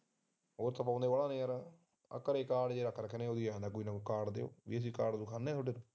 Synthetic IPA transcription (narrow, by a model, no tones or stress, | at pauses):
ɦoːɾt̪ʰap̬ãːnd̪eːʋaːlaːneːəɾ | ə̰kːəɾeːkaːɖd͡ʒeːɾaːkʰːɾəkʰːənẽːoːd̪iːãːnd̪aːkoiːnaːkukaːɖd̪ḛo̰ːʋḭːəs̬iːkaːɖd̪ukʰaːnːẽːt̪ʰoɖeːnu